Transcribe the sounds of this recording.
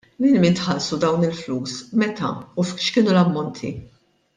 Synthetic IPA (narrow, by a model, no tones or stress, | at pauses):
mɪlmint̪ħɐlsud̪ɐwnɪlfluːsmɛt̪ɐ̰ufʃkɪːnulɐmːɔnt̪ʰḭ